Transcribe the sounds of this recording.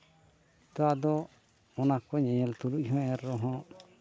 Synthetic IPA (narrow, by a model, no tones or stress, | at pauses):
t̪ɔad̪ɔ | ɔnakɔɲɛ̃ɲɛlt̪uluʔɦɔ̃ɛɾːɔɦɔ̃